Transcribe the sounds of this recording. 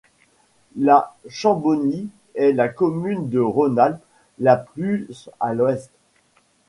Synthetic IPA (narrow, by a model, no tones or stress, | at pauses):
laʃɑ̃bɔni | ɛlakɔmynd̪əʁɔnalpː | aplysalwɛst̪